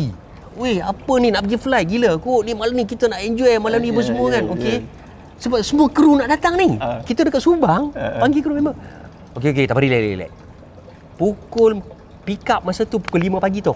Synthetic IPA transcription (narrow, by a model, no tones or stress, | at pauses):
i | weapəninaʔpəɡifəlajɡiləkoʔnimalamnikit̪ənaʔɛɲd͡ʒɔɛmalamnibəs̬əmuəkanoke | səbap̚səmuəkəɾunaʔdat̪aŋnikit̪ədəkat̪̚subaŋpaŋɡikəɾumemə | okeoket̪aʔpaɾilala̰la̰j | pukʊl | pikap̚masət̪upu̥kʊlːimə̃paɡit̪ɔh